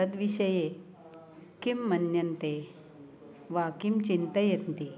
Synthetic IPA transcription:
əd̪ʋiɕəje | kimːənjənt̪e | ʋakimt͡ɕint̪əjet̪nt̪i

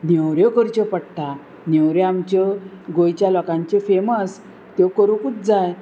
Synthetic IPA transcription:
njɛwɾjɔkəɾt͡ɕɔpəɽt̪a | njewɾjaamt͡ɕɔɡojt͡ɕjalɔkãɲt͡ɕefeməs | t̪jɔkəɾukut͡sd͡zaj

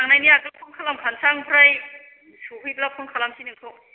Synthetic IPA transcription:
aŋnajniakɯlpʰuŋkʰalamkʰansaŋpʰɾaj | suɦɯjplapʰuŋkʰalamsinɯŋkʰɯw

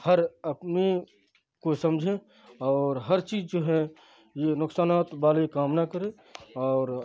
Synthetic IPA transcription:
həɾəpne | kosə̃md͡ʒʱẽ | ɔːɾɦəɾt͡ʃiːzd͡ʒoːɦɛ | jenʊksaːnaːt̪baːlekaːmnakəɾẽ | ɔːɾ

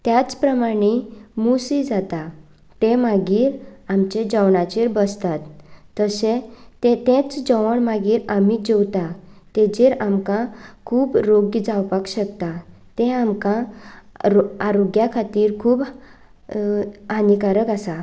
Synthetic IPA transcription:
t̪jat͡spɾəmaɽ̃emusid͡zat̪a | t̪emaɡiːɾamt͡ɕed͡ʑəwɳat͡ɕeɾbəst̪at̪ːəset̪et̪ẽt͡sd͡ʑəʋəɳmaɡiːɾamid͡ʑewt̪at̪ed͡ʑeɾamkãkʰuːbɾoɡd͡zawpakɕəkt̪a | t̪ẽamkã | ɾaɾoɡjakʰat̪iːɾkʰuːb | anikaɾəkasa

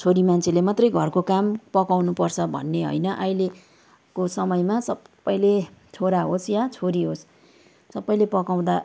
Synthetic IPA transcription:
t͡sʰoɾimant͡sʰelemat̪rʌjɡʱʌrkokampʌkawnupʌrt͡sʰʌbʱʌ̰nːeɦo̰jnʌʔajle | kosʌmʌjmasʌpː | ʌj̃let͡sʰoɾaɦosjat͡sʰoɾiɦosː | ʌpːʌj̃lepʌkaw̃d̪a

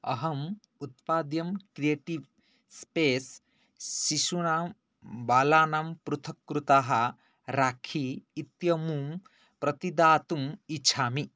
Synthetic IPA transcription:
ɐ̰ɦɐm | ut̪̚paːd̪jɐmkɾijeːʈiʋ | speːsː | isuna | baːlaːnampɾut̪ʰɐkːɾut̪aɦɐ | ɾaːkʰiːt̪jɐmum | pɾɐt̪id̪aːt̪umit͡ʃʰaːmi

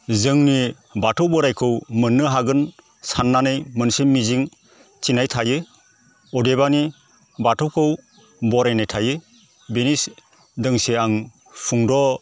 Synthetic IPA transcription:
zɯŋni | batʰɯwbɔɾajkʰɯwmɯnːɯɦaɡɯn | sanːanɯjmɯnsemiziŋ | t͡ʃinajtʰajɯ | ɔdeβani | batʰɔkʰɯw | bɔɾajnajtʰajɯ | benis | dɯŋseaŋ | pʰuŋdɔ

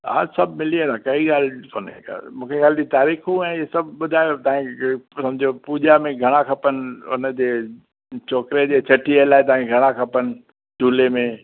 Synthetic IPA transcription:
a̰ːsɐbʱmɪliẽt̪ʰakɐiɠaːl̤poːnḛa̰mũːkʰexʰjaːld͡ʑit̪aːɾiːxɦũɛ̃ːɪesɐbʱɓʊd̪ʱaːjot̪ɐːɪ̃sɐmd͡ʑʱiopuːʄamẽɡʱɐɽ̃akʰɐpənɪ̆ʊ̰nəd͡ʑeː | t͡ɕoːkɾed͡ʑeːt͡ɕʰɐʈʰielaːɪt̪̬aãkɡʱɐɽ̃akʰɐpənɪ̆ | ʈuːlemẽ

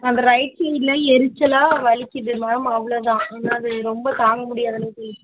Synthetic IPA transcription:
ɐnd̪ɐɾɐɪʈ̚sɛlɐɛɾɯt͡ʃːɐlaːʋɐɭɪkʲːɪðɯmaːlɐmɐʋːɐɭoːt̪ãːɐðnːaːɐðɯɾɔmbɐt̪aːŋɡɐmʊɽɪjaːðɐleːsɔlːɪ

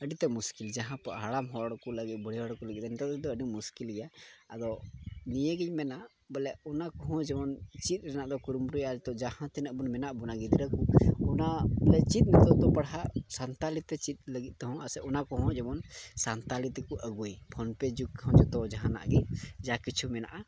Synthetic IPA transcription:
əɖit̪ɛmuskild͡ʒaɦãpaʔɦaɽamɦɔɽɔkɔləɡit̪̚ˀbʱɔɽiɦɔɽkɔləɡit̪̚ɛnɛt̪ɔt̪ɛd̪ɔəɖimuskilɡɛjaːd̪ɔnijəɡɛɲmɛnaʔ | bəlɛɔnakɔɦɔ̃d͡ʒɛmɔnt͡ʃit̪̚ˀɾɛnaʔd̪ɔkuɾumɾujad͡ʒɛt̪ɔd͡ʒahãt̪ɛnəʔbunmɛnaʔbunaɡid̪iɾakuɔnablɛt͡ʃit̪̚ˀnɛt̪ɔd̪ɔpaɽɦaʔsant̪alit̪ɛt͡ʃit̪̚ləɡit̪̚t̪ɔɦɔ̃asɛʔɔnakɔɦɔ̃d͡ʒɛmɔnsant̪alit̪ɛkuʔəɡujpʰɔnpɛd͡ʒukkːɦɔ̃d͡ʒɛt̪ɔd͡ʒaɦãna̰ʔɡɛd͡ʒakit͡ʃʰumɛna̰ʔa

